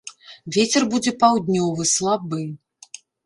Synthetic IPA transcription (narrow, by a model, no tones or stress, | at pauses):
vʲet͡sʲɛrbud͡zʲɛpawd̪ʲnʲɔvɨslˠabɨ